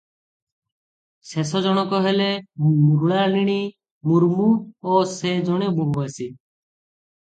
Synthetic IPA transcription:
sesɔd͡ʒɔñɔkɔɦelemuɾuɽaɾniɽ̃i | muɾmuosed͡ʒɔɽ̃eboɦuasi

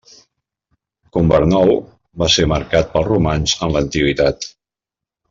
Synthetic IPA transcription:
kumbəɾnɔw | baseməɾkat̪̚pəlˠrumanzənlənt̪iɣit̪at̪

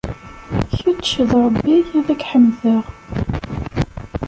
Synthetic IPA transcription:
çətːʃəðɾˤəbːiʝæðækħəmːðəʁ

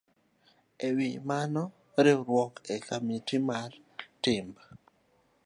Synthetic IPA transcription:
ewɪmanɔ | ɾeɾwɔkekamitimar | tɪmba

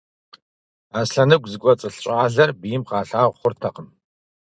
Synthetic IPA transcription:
aːsɬɐnɨɡʷzɨkʷʼɔt͡sʼɨɬɕʼaːɮɐrbijɪmqɑːɬaːʁʷχʷʊrtʰɐqəm

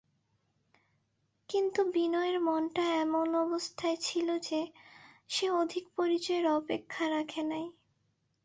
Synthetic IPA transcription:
kint̪ubinɔeɾmɔnʈaɛmonɔbost̪ʰaet͡ɕʰilod͡ʑe | ʃeod̪ʱikpoɾit͡ɕɔeɾɔpekʰːaɾakʰenaj

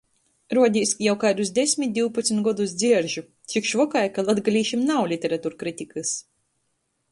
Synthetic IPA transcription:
ɾuɔd̪ʲiːsjawkajd̪usd̪ʲesʲmʲit̪̚d̪ʲiwpat̪smʲit̪ɡɔd̪usd̪ziɛɾʒu | t̪sikʃvɔkajkalˠad̪ɡalʲiːʃimnawlʲit̪ʲeɾat̪uːɾkɾit̪ʲikɨs

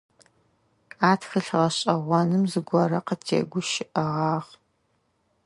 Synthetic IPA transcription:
kʼaːtʰxɨɬʁɐɕʼɐʁʷɔnɨmzɨɡʷɔrɐqətʰḛːɡʷʊʃɪʔɐʁɑːʁ

